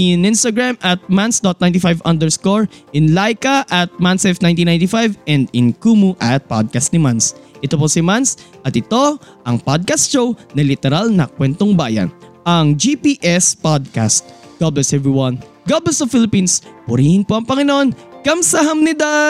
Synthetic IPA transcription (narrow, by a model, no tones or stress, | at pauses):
ʔɪnʔɪ̃nst̪ɐɡɹamʔɐt̪̚mansd̪ot̪̚nãjnt̪ɪfajvʔɐnd̪ɛɹskoɹʔɪnlajkɐʔɐt̪̚mansɛfnaj̃nĩnaj̃nt̪ɪfajvɛnd̪ɪnkuːmuʔɐt̪̚pa̰d̪̚kɐst̪̚nɪmansʔɪt̪oposɪmansʔɐt̪ɪt̪o̞ʔɐŋpod̪̚kɐst̪ʃownɐlɪt̪ɛɾalnɐkwɛnt̪oŋbaːjɐ̰nʔɐŋd͡ʒipiːʔɛspad̪̚ka̰st̪̚ɡ̥ɐblɛsʔɛvɹiwɐn | ɡɐblɛsɐfɪlɪpinspʊɾihɪnpoʔɐŋpɐŋɪnoʔonkɐmsɐɦɐmnɪd̪a